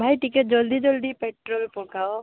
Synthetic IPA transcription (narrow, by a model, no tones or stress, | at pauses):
bʱajʈikeʈ̚d͡ʒɔld̪id͡ʒɔld̪ipeʈɾolpɔkao